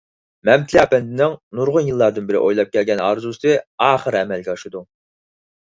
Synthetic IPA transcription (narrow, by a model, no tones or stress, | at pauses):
mɛmt̪ʰɪliɑpɛnd̪ɪnɪŋnuɾʁʊnjilˠːɑɾd̪ɨnbɪɾɪ̰ʔojlˠɑp̚kʲʰɛlɡʲɛnɑ̰ɾzusɨɑːχəɾɛmɛlɡʲɛɑʃɨd̪u